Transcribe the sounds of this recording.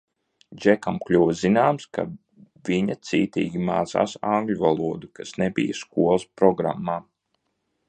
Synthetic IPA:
d͡ʒɛkamklʲuːvzinaːmska̰ | viɲat̪siːt̪ḭːɡʲimaːza̰ːsaŋɡlʲuvalˠuɔd̪ukasnebḭjaskuɔlˠspɾɔɡɾa̰mːaː

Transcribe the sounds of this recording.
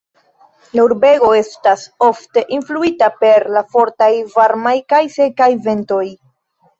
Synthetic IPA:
lauɾbe̞ɡo̞e̞staso̞fte̞ʔinfluitape̞ɾlafo̞ɾtajvaɾmajkajse̞kajve̞nto̞j

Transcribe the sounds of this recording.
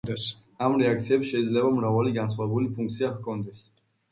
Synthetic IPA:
d̪ɛs | amɾɛak̚t̪sʰiɛpsʃɛid̪zlɛbamɾavaliɡansʰχwavɛbulipʰuŋkt̪sʰiaχkʰɔnd̪ɛs

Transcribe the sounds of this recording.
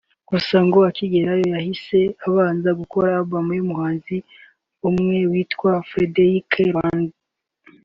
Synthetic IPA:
ɡ̥usaŋɡoaciɡe̞ɾajo̞jahise̞aβaːnzaɡuko̞ɾabamimuhaːnzi | umŋe̞wiːtkwafɾedeɾikʰeaːnzi

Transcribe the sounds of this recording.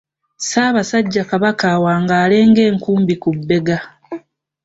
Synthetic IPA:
saːβasaɟːakaβakawaːŋɡaːle̞ːŋɡe̞ːŋkuːmbikubːe̞ɡa

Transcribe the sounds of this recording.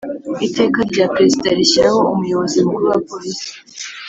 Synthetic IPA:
ite̞ːkaɾɟaːpɾe̞zidaɾiɕiɾaho̞umujo̞βozimuɡuβapoɾisi̥

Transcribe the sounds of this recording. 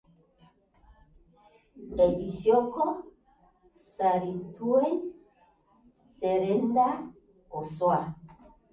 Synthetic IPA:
edisjɔkɔ | saɾituen | seɾenda | ɔswa

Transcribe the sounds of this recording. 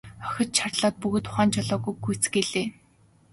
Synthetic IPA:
œ̥xʲɞ̆t̪t͡ɕʰarɮɔːt̪̚puɣ̆t̪ʰʊ̥χaːnt͡ɕʰɔɮɔːɣujɡujt͡sɡeɮeː

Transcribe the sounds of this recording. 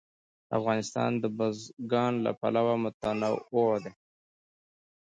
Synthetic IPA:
a̰fɣɑnɪst̪ɑ̰nd̪əbazɡɑnla̰pa̰lawamʊt̪anaod̪e

